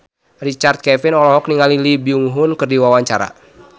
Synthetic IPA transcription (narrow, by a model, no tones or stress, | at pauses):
rit͡ʃart̪̚kɛfinɔlɔɦɔk̚niŋalilibiuŋɦʊnkɨrdiwawaɲt͡ʃaɾa̰